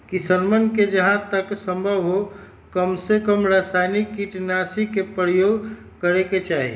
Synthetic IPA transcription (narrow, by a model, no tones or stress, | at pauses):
kisənmənked͡ʒəɦãt̪əksə̃mbʱəʋɦo | kəmsekəmɾaːsaɪnikːiʈnasikepɾəɾjoːɡ | kəɾeket͡ʃaːɦḭ